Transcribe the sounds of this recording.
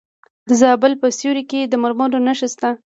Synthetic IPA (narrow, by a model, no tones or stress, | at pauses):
d̪əzɑbəlpəsjuɾiked̪əmaɾmoɾonaʃəst̪a